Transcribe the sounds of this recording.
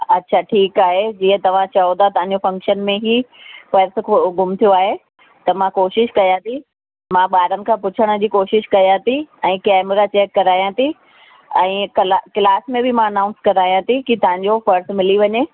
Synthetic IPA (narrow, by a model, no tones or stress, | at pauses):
ɐtːɕʰaʈʰiːkaːɦed͡ʑiːə̃t̪ɐʋ̤ãt͡ɕɐõt̪ʰat̪ɐə̃ɲd͡ʑofɐ̃ŋkʃənmẽɦifɐɾskɡʊmt̪ʰijoaːɦe | t̪ɐmãkoːʃɪʃkɐjãt̪ʰi | mãɓaːɾənɪ̆kʰãːpʊt͡ɕʰəɽ̃ə̆d͡ʑiːkoːʃɪʃkɐjãt̪ʰiɛ̃ːkɛːmɾat͡ɕeːkːɐɾaːjãt̪ʰi | ɛ̃ːklaklaːsmẽbɪmãɐnãːʊ̃nskɐɾaːjãt̪ʰikit̪ɐʋ̤ãɲ̆d͡ʑofɐɾsmɪliʋɐɲeː